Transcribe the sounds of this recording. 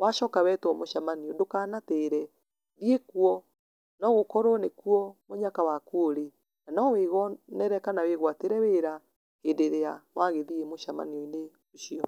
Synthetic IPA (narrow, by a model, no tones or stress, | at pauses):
waʃɔːkawɛtwɔmoʃamaniɔdokanateɾɛ | ðiekuɔ | nɔɣokɔɾɔnekuɔmoɲakawakooɾe | nanɔweɣɔnɛɾɛkanaweɣwateɾɛweɾa | hendeɾeawaɣeðiemoʃama̰niɔine | oʃiɔ